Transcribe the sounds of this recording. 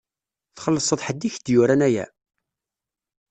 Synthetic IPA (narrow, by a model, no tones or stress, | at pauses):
θχəlːəsˤəðˤħəd̪ːiçd̪jʊɾænæjæ̰